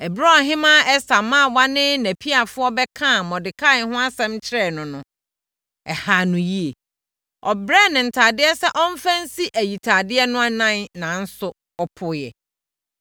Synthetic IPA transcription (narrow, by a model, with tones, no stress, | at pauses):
ɛ˨bɾɔ˦˨ɦɪ̃˦mã˦ɛ˦sa˨mã˦˨wa˦nɪ̃˦næ˨pʰi˦a˨fʊ˦ɔ˦bɛ˦kʰã˦˨mɔ̃˨dɪ˨kʰa˦˨˦hʊ̃˦a˦sɛ̃˦mt͡ɕʰɪ˦ɾɛ˦˨nʊ̃˨nʊ̃˨ | ɛ˨ha˨nʊ̃˨ji˦e˨ | ɔ˨bɾɛ˦˨nɪ̃˨n̩˨tʰaː˨dɪ˦ɛ˦sɛ˦ʔɔ˦m̩˦fæ̃˦n̩˦si˦ʔæ˨ji˨tʰa˨dɪ˦ɛ˦nʊ̃˦a˦nã˦nnã˨n̩˦sʊ˦ | ɔ˦pʰʊ˨˦jɛ̰˨